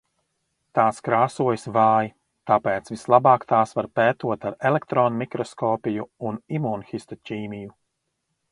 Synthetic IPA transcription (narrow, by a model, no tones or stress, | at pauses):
t̪aːskɾaːsuɔjsvaːji | t̪apeːt̪svislˠabaːkt̪aːsvaɾpɛːt̪uɔt̪aɾɛlɛkt̪ɾɔːnmikɾɔskɔːpijuunimunxist̪ɔcʲiːmiju